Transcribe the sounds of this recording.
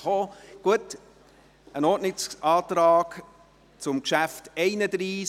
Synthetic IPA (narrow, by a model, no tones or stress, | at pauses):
oːɡ̥uət | ʔənɔːʔnɪsɑːtɾɑːɡ̥ | t͡sʊmkʃæftɛɪnəd̪ɾiː